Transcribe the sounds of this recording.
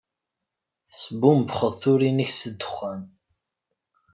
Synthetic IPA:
səbumbχəðθʊɾinəçsəd̪ːə̥χːæn

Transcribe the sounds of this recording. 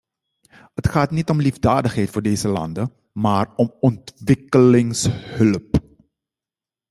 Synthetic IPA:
hətxaːtnitɔmlivdaːdəxɦɛjtfːɹdeːzəlɑ̰ndə | maːrɔmɔntʋɪkəlɪŋshɵlp

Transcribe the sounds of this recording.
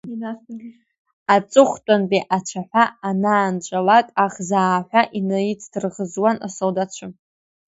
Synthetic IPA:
at͡sʼɨχʷtʷʼanbiʔat͡ʃʷʰaħʷaːnaːnt͡ʃʷʼalakʼaχzaːħʷᶣaʔinajit͡sʰdʰɨrʁəzwanʔa̰soldat͡ʃʷʰɨ

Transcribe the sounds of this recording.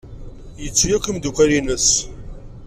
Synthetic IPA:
jət͡sːjækʷəmd̪ukʷælinəs

